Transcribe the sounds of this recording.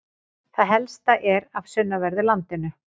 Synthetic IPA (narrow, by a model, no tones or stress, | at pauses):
θaðɦɛlst̪aʔɛɾav̥sʏnːavɛɾðɪlant̪ɪnːʏ